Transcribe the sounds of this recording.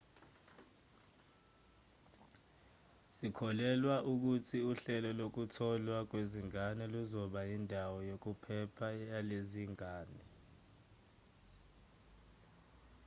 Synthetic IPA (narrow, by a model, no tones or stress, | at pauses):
sikʰɔlɛlwaʔuk̬utʰiuɬɛlɔlok̬utʰɔlwak̬weziŋanɛluzɔɓajindʱawɔjok̬upʰɛpʰajaleziŋaːnɛ